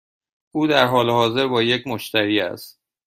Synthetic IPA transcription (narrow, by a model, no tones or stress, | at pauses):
ʔuːd̪æɾɦɒːleɦɒːze̞ɾbɒːjecʰmoʃt̪ʰæɾiːæ̰st̪̚